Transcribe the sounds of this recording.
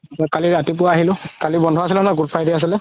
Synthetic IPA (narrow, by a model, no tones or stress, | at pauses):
ɔkaliɹatipʊaːɦilʊ̃kalibɔndʱɔasilɛnaɡutpʰajdias̬ilɛ